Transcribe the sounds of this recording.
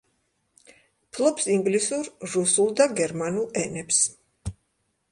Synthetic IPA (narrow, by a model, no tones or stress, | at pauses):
pʰlˠɔpsiŋɡlisuɾɾusulˠd̪aɡɛɾmanulˠɛnɛps